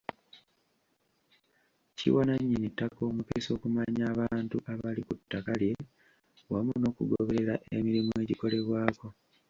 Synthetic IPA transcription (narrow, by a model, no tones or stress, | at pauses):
cḭwanaɲːinitako̞ːmupeso̞ːkumaɲaːβaːntuʔaβalikutːakalje̞ | wamuno̞ːkuɡoβe̞ɾe̞ɾaʔemiɾimue̞ɟiko̞le̞βwaːko̞